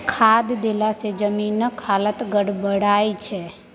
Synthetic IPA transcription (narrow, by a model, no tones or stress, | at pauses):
kʰad̪d̪elased͡ʒəminːəkʰalət̪ɡəɽbəɽajt͡ʃʰe